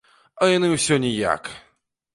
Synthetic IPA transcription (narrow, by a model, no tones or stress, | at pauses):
ɐjanɨwsʲɔnʲija̰k